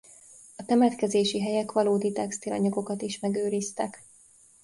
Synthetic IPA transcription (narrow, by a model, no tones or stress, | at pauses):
ɒt̪ɛmɛt̪kɛzeːʃiɦɛjɛkʋɒloːd̪it̪ɛkst̪eːlɒ̰ɲɒɡo̞kɒt̪iʃmɛɡøːɾist̪ɛk